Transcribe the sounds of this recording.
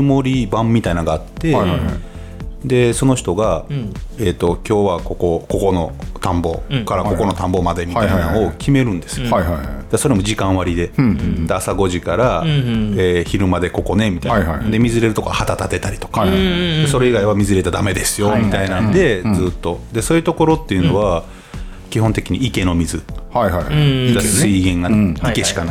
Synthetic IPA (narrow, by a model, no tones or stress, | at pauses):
ɯmo̞ɾʲibãmːʲit̪ainaɡaːt̪ːe̞aj | d̪e̞sono̞çi̥t̪o̞ɡa | eːt̪ːo̞kʲo̞ːβako̞ko̞ko̞ko̞no̞t̪ãmbo̞kaɾako̞ko̞no̞t̪ãmbo̞mad̪e̞miiaaiainaokʲʰime̞ɾɯ̟̃nd̪e̞sɨ̥jojɦajd̪aso̞ɾemo̞ʑikãɰ̃βaɾʲid̪e̞d̪easaɡo̞ʑikaɾa | eːçiɾɯ̟mad̪e̞ko̞ko̞ne̞mit̪aiad̪e̞mʲizɨɾe̞ɾɯ̟t̪okoɡahat̪at̪at̪e̞t̪aɾʲit̪o̞̥kad̪eso̞ɾe̞iɡaiβamʲizɨɾe̞t̪ad̪ame̞d̪e̞sɨjo̞mʲit̪ainãnd̪e̞zɨːt̪ːo̞d̪e̞so̞ːjɯ̟t̪o̞ko̞ɾo̞t̪ːe̞jɯ̟no̞βa | kʲiɦont̪e̞kʲiɲ̟iike̞no̞mʲizɨhaihajɾasɨiɡẽ̞ŋɡaikeɕi̥kana